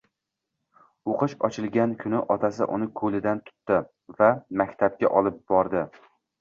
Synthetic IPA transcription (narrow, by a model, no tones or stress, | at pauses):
oqɨʃɒt͡ʃʰɪlˠɡʲankʰʊnɪʔɒt̪ʰasɪ̰ʔʊ̰nɪkʰɵlɪd̪ant̪ʰʊ̥t̪ːɪ | vamakʲt̪ʰab̚ɡʲaʔɒlˠɪp̚b̥ɒɾd̪ɪ